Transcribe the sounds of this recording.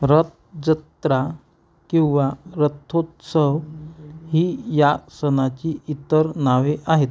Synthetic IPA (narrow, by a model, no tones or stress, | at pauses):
ɾət̪̚ | d͡zət̪ɾa | kĩw̃ʋaɾət̪ʰːot̪səɦ | ɦiːjasənat͡ɕiit̪əɾnaʋeʔaɦet̪̚